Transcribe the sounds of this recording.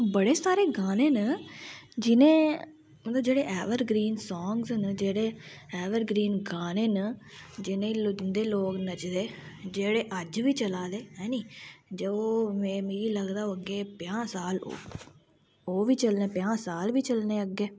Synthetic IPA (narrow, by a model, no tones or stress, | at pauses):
bəɽeːsaːɾeːɡaːneːnə | d͡ʒɪnẽː | məoːd͡ʒeːɽeːʔɛːʋəɾɡɾiːnsɔːŋɡznd͡ʒeːɽeː | ɛːʋəɾɡɾiːnɡaːneːnəd͡ʒɪnẽːlʊd͡ʒnd̪eːloːknət͡ʃd̪eːd͡ʒeːɽeːʔəd͡ʒʋiːt͡ʃəlaːd̪eːɦɛ̃ːniːd͡ʒeoːmɛ̃ːmiːiːləɡd̪aːoːəɡːeːpɪãːsaːlo̰ | oːʋiːt͡ʃəlnẽːpɪãːsaːlʋiːt͡ʃəlneːəɡːeː